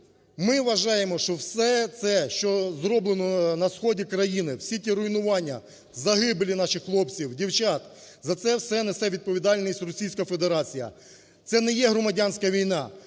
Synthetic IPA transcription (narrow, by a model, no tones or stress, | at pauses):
mɪʋɐʒɑjemɔʃt͡ʃɔwsɛt̪sɛʃt͡ʃɔzɾɔblˠenɔnɐsxɔdʲikɾɐjinɪwsʲitʲiɾʊinʊʋɑnʲːɐ | zɐɦɪblʲinɑʃɪxxlˠɔpt͡sʲiwdʲiwt͡ʃɑt̪ | zɐt̪sɛwsɛnesɛʋʲid̪̚pɔʋʲid̪ɑlʲnʲisʲtʲrɔsʲijsʲkɐfe̞d̪eɾɑt͡sʲijɐ̰ | t̪sɛnɛjɛɦɾɔmɐdʲɑnʲsʲkɐʋʲijnɑ